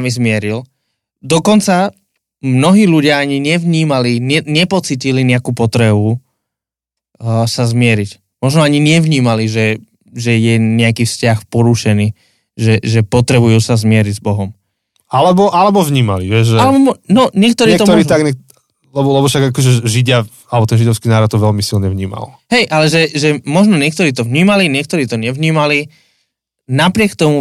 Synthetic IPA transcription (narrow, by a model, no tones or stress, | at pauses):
amizmɪɛɾil | d̪ɔkɔnt͡sa | mnɔɦiːluɟɪaaɲiɲɪɛʋɲiːmaliɲɛɲɛpɔt͡siːciliɲɛakuːpɔt̪ɾɛbu | sazmɪɛɾic | mɔʒnɔaɲiɲɪɛʋɲiːmaliʒɛ | ʒɛjɛɲɛakiːfscaxpɔɾuʃɛniː | ʒɛʒɛpɔt̪ɾɛbujuːsazmɪɛɾiɟzbɔɦɔm | alɛbɔʔalɛbɔvɲiːma̰liʋɛʒʒɛalɛbɔmɔnɔɲɛkt̪ɔɾiːɛt̪ɔt̪ɔɾiːt̪aɡɲɛ | lɛbɔlɛbɔfʃaɡakɔʒɛʒiɟɪa | alɛbɔt̪ɛnʒid̪ɔʊskiːnaːɾɔt̪ːɔʋɛlmisilɲɛʋɲiːma̰lɦɛjʔalɛʒɛʒɛmɔʒnɔɲɪɛk̚t̪ɔɾiːt̪ɔvɲiːmaliɲɪɛk̚t̪ɔɾiːt̪ɔɲɛʋɲiːmali | napɾɪɛkt̪ɔmu